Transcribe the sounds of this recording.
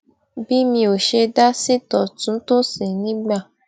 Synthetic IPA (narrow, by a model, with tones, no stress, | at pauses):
bi˦mĩ˧o˨ʃe˧da˦si˦tɔ˨tũ˨˦to˦si˨nĩ˨˦ɡ͡ba˦˨